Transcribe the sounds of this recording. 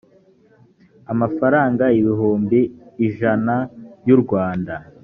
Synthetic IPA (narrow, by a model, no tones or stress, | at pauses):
amafaɾaːŋɡaiβiɦuːmbiːʒanajuɾɡwaːnda